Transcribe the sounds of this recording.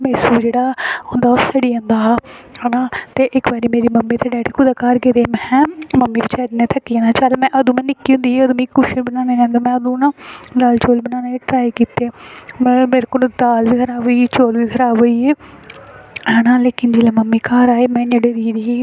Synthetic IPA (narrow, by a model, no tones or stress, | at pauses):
meːsuːd͡ʒeːɽaːɦʊ̃nd̪aːosəɖiːõːnd̪aːɦənaːt̪eːʔɪkʋaːɾiːmeːɾiːməmːiːt̪eːɖɛːʈːkʰʊd̪aːkaːɾkeːɾeːmɛ̃ːməmːiːbit͡ʃʰɛːɾneːt̪ʰəkːiãːnaːt͡ʃəlmɛ̃ːʔəd̪ũːmɛ̃ːnɪkːiːʊ̃nd̪iːeəd̪ũːmĩːkʊʃẽːbənaːnẽːd͡ʒɛ̃ːnd̪eːmɛ̃ːəd̪ũːnãːd̪aːlt͡ʃoːlbənãːnẽːʈɾaːikiːt̪eːmɛ̃ːmeːɾekod̪aːlʋiːkʰəɾaːʋoiːt͡ʃoːlʋiːkʰəɾaːboːiːeː | ɦənaːleːkɪnd͡ʒeːlẽːməmːiːkaːɾaːeːmɛ̃ːneːɽeːɾiːɾiː